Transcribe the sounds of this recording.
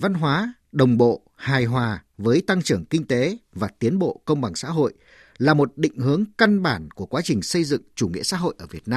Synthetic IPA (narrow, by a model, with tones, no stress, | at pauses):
va˧nɦwaː˨˦ | ɗə˨˩wŋ͡mɓo̰˧˨ | haː˨˩jɦwaː˨˩vəː˨˦jt̪a˧ŋt͡ɕɨ˧˩əŋkï˧ŋ̟t̪e˨˦vaː˨˩t̪i˨˦ənɓo̰˧˨kə˧wŋ͡mɓa˨˩ŋsa̰ː˧˥ɦo̰˧˨j | laː˨˩mo˨˩t̚ɗḭ̈˧˨ŋ̟ɦɨ˨˦əŋka˧nɓaː˧˩nku˧˩əkwaː˨˦t͡ɕï˨˩ŋ̟sə˧jzɨ̰˧˨ŋt͡ɕu˧˩ŋḭ˧˥əsa̰ː˧˥ɦo̰˧˨jʔəː˧˩vi˨˩ət̚naː˧